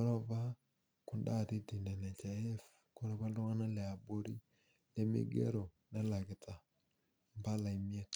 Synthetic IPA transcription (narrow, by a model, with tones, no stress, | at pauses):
ɔ˦ɾɔ˦pa˦ | kʊ˨nda˦˨ti˦ti˨nɛ˨nɛ˨t͡ʃa˨ɛ˦f | ko˦ɾe˦pa˦ltʊ˦ŋa˦na˦lɛ˨a˨bo˦ɾḭ˦ | le˦mɪ̰˦ɡḛ˦ɾo˨ | nɛ˦la˨kɪ˨tʰa˨ | mba˦la˨i˨mi˦e˦t